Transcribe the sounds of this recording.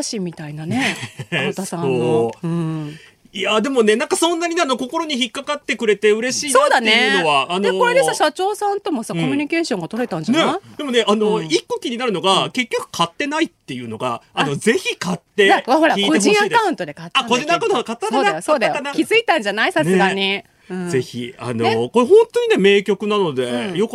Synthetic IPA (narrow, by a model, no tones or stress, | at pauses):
aɕimʲːit̪ainanet̪asãoɯ̟̃ɴ | ijad̪e̞mo̞ne̞nãŋkasõ̞nːaɲ̟ineano̞ko̞ko̞ɾo̞ɲ̟içikːakat̪ːe̞kɯ̟ɾe̞t̪e̞ɯ̟ɾe̞ɕiːsoːd̪anːejɯno̞βaːneoko̞ɾed̪esaɕat͡ɕo̞ːsãnt̪o̞mo̞sako̞mʲyɲ̟ike̞ːɕõ̞ŋɡat̪oɾet̪ãɲd͡ʑanead̪e̞mo̞ne̞ʔanoikːo̞kʲiɲ̟inaɾɯ̟no̞ɡake̞kʲːo̞kɯ̥kʰat̪ːe̞nait̪ːe̞jɯ̟ːno̞ɡa̰ːno̞ze̞çikat̪ːeaβaho̞ɾaiːkod͡ʑĩad̪kaɯ̟̃nt̪o̞d̪e̞kat̪ːaakod̪enakanakat̪ːasoːd̪ajosoːd̪ajoanakʲizɨit̪ãɲd͡ʑanaisanseɨɡaɲ̟i | ɯ̟̃ze̞çḭa̰noko̞ɾeɦõ̞nt̪oɲ̟ine̞me̞ːkʲo̞kɯ̟nano̞d̪e̞jo̞k